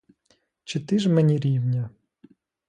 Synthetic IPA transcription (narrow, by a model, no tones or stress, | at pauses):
t͡ʃɪt̪ɪʒmɛnʲiɾʲiwnʲɐ